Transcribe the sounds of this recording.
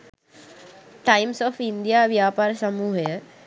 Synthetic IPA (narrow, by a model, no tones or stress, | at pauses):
ʈajmsɔːfind̪ijaːʋjaːpaːɾəsəmuːɦəjə